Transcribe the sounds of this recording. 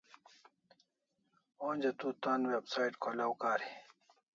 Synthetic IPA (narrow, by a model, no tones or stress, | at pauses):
oːnʲd͡ʑɐt̪uːt̪aːnwebsaːiʈkʰolawkaːɾi